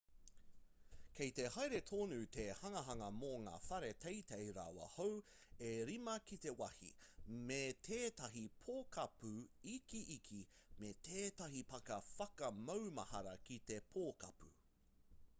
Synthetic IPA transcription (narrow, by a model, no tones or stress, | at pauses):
kʰejt̪ehajɾet̪ʰoːnuːt̪ʰehɐŋɐɦɐŋɐmoŋa̰ːfɐɾe̞t̪ʰejt̪ejɾa̰wɐ̰how | eɾimɐkit̪e̞wɐhḭmet̪ʰeːt̪ɐɦipʰoːkɐpʉikiʔikʰimet̪ʰeːt̪ɐɦipɐkɐfɐkɐmɐwmɐ̰hɐɾɐkit̪e̞pʰoːkɐ̰pṵ